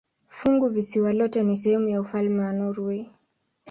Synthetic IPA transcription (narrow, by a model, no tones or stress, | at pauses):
fuŋɡuvisiwalɔtɛnisɛhɛmujaufalmɛwanɔɾwɛ